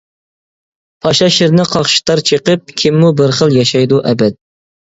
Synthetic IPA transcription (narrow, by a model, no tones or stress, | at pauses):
pʰɑʃɑʃɪɾnɪqʰɑχʃi̥t̪ʰɑɾt͡ʃʰəqəp̚kʲʰɪmːubɪɾχəlˠjɑʃɑjd̪uʔɛbɛt̪̚